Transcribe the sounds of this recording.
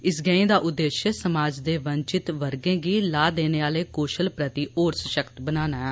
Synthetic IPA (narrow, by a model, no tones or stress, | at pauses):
ɪsɡɛ̃ːẽːd̪aːʔʊd̪ːeːʃəsəmaːd͡ʒd̪eːʋəɲt͡ʃɪt̪ʋəɾɡẽːɡiːlaːd̪eːneːaːleːkkoːʃəlpɾət̪iːoːɾsəʃəkt̪bənaːnaːɛː